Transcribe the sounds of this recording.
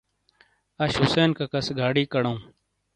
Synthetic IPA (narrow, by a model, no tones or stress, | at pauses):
aːʃɦʊseːnkaːkəsɡʱaːɽiːkəɽaũː